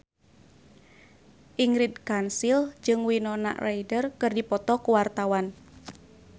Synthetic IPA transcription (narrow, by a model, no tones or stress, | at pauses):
ʔiŋɾidkansild͡ʒɨŋwinɔna̰ʔrʔajdərkɨrdipɔt̪ɔkuwart̪awan